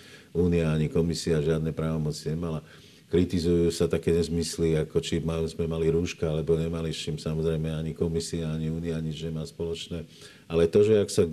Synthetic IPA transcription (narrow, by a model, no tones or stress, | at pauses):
uːniaaɲikɔmisiaʒɪad̪nɛpɾaːʋɔmɔt͡siɲɛmala | kɾit̪izujuːsat̪akɛːɲɛzmisliakɔt͡ʃimazmɛmaliɾuːʃkaalɛbɔɲɛmaliʃimsamɔzɾɛjmɛaɲikɔmisiaaɲiuːniaɲid͡ʒɲɛmaːspɔlɔt͡ʃnɛː | alɛt̪ɔʒɛaksa